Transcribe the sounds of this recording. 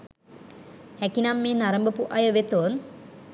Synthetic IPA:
hɛkinamːeːnaɾəmbəpuʔɐjəʋet̪oːn

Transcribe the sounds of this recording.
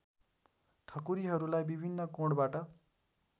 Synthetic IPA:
ʈ̪ʰʌkuɾiɦʌɾulajbibʱinːʌkoɽbaʈʌ

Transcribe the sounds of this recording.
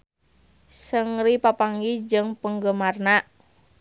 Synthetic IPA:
səŋripapaŋɡid͡ʒɨŋpəŋɡəmarnaʔ

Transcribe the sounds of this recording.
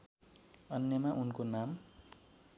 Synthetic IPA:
ʌnːjʌmaʔunkonam

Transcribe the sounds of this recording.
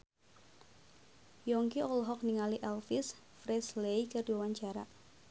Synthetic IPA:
jɔŋkiɔlɦɔk̚niŋaliʔɛlfis | fɾɛslejkərdiwawaɲt͡ʃaɾa

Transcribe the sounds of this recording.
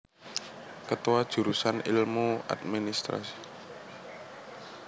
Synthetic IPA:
kət̪uwad̥ʒ̥ṳɾusanilmua̰d̪̚minist̪ɾa̰si̥

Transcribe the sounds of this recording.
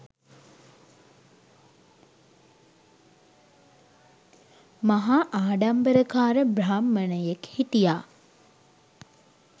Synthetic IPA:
maɦaʔaːɖambəɾəkaːɾəbɾaːmːənəjekhit̪ijaː

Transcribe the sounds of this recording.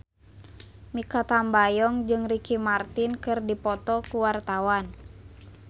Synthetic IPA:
mikat̪ambajɔŋd͡ʒɨŋrikimart̪inkɨrdipɔt̪ɔkuwart̪awan

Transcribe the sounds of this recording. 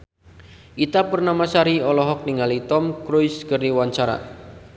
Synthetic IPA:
ʔit̪apərnamasaɾiɔlɔɦɔk̚niŋalit̪ɔmkɾojskərniwaɲt͡ʃaɾa̰

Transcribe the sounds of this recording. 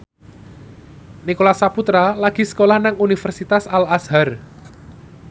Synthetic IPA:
nikolasaput̪ɾalaɡ̥i̤sə̥kolahnaŋunifɛrsit̪asalasɦar

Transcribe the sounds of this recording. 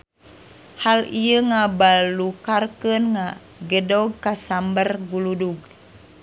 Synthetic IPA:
halijəŋabalukarkənŋa | ɡədɔɡ̚kasambərɡuluduɡ

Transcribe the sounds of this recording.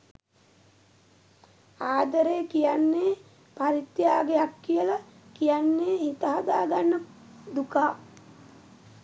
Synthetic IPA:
aːd̪əɾeːkijanːeː | paɾit̪jaːɡeakːijələkijanːeːhit̪əɦad̪aːɡanːəd̪ukaː

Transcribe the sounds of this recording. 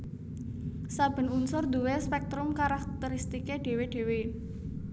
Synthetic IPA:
sab̥ə̤nunsʊrd̪uwespɛk̚t̪ɾʊmkaɾak̚t̪əɾist̪ikeɖ̥e̤weɖ̥e̤we

